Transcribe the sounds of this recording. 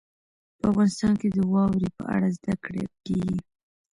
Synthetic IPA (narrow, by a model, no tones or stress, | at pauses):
pəafɣɑnɪst̪ɑnked̪əwɑwɾepə̰ʔa̰ɽazd̪akɽḛkeɡi